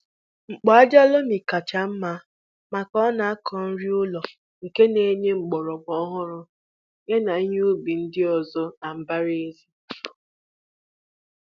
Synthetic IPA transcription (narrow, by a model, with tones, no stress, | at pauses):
ŋ͡m̩˨k͡pɔ˨a˦d͡ʒa˦lo˦mi˨ka˨t͡ʃa˨m̩˦ma˦ | ma˨kɔ˦na˨a˦kʰɔ˨n̩˦ɾi˦ʊ˦lɔ˨ | ŋ̩˨ke˦ne˨˦ɲe˦ŋ͡m̩˨ɡ͡bɔ˨ɾɔ˨ɡ͡bɔ˦ɦʊ˦ɾʊ˦ | ŋe˦na˨i˦ɲ˦u˦bi˨n̩˦dɪ˦ɔ˨zɔ˦na˨m̩˦ba˦ɾe˦zi˦